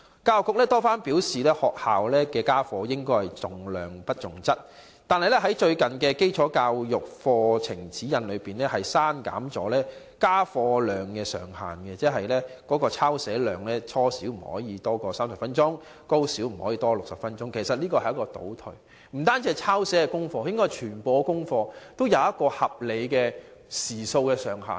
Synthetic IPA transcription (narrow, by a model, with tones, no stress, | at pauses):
kaː˧wkʊ˨k̚lɛː˥t̪ɔː˥faː˥npiː˨˥wsiː˨lɛː˥hɔː˨k̚haː˨wlɛː˥kɛː˧kaː˥fɔː˧jɪ˥ŋkɔː˥jhɐ˨jt͡sʊ˨ŋlœː˨ŋpɐ˥t̚t͡sʊ˨˩ŋt͡sɐ˥t̚ | t̪aː˨nhɐ˨jlɛ˥ɦɐ˨˥jt͡ʃɵ˧ɥkɐ˨nkɛː˧ke˥jt͡ʃʰɔː˨˥kaː˧wjʊ˨k̚fɔː˧t͡sʰɪ˨˩ŋt͡siː˨˥jɐ˨˧nlɵ˨˧ɥpiː˨nlɛː˥hɐ˨jsaː˥nka̰ː˨˥mt͡sɔ̰ː˨˥lɛː˥ | kaː˥fɔː˧lœː˨˩ŋkɛː˧sœ̰ː˨˩ŋha̰ː˨nkɛ˧t͡sɛː˥ɦɐ˨jlɛː˥kɔː˨˥kɔː˧t͡sʰaː˥wsɛː˨˥lœː˨ŋlɛː˥t͡sʰɔː˥siː˨˥wm̩˨˩hɔ̰ː˨˥jiː˨˧t̪ɔː˥kɔː˧saː˥msɐ˨pfɐ˥nt͡sʊ˥ŋ | ko˥wsiː˨˥wm̩˨˩hɔː˨˥jiː˨˧t̪ɔː˥lʊ˨k̚sɐ˨p̚fɐ˥nt͡ʃʊ˥ŋkʰe˨˩jsɐ˨t̚liː˥kɔː˧hɐ˩jɐ˥kɔː˧t̪o̰˨˥wt̪ʰɵ˨˩ | m̩˨˩t̪aː˥nt͡si˧˨jt͡sʰaː˥wsɛː˨˥kɛ˧kʊ˥ŋfɔː˧jɪ˥ŋkɔː˥jt͡ʃʰyː˨˩npo˨˧kʊ˥ŋfɔː˧t̪o˥wjɐ˨˧wjɐ˥t̚kɔː˧hɐ˨p̚le˨˧jkɛː˧siː˨˩so˧wkɛː˧sœː˨˩ŋɦa̰ː˨n